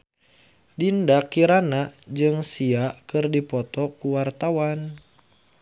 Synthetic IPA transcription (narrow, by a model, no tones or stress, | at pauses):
dindakiɾanad͡ʒɨŋsiakɨrdipɔt̪ɔkuwart̪awan